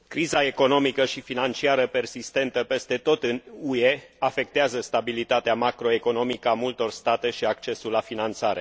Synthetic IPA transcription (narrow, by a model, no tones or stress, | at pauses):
kɾizae̞ko̞no̞mikəʃifinant͡ʃiaɾəpe̞rsist̪e̞nt̪əpe̞st̪e̞t̪o̞t̪ɨnueafe̞k̚t̪eazəst̪abilit̪at̪eamakɾo̞e̞ko̞no̞mikəamult̪o̞rst̪at̪e̞ʃiakt͡ʃe̞sulːafinant̪saɾe̞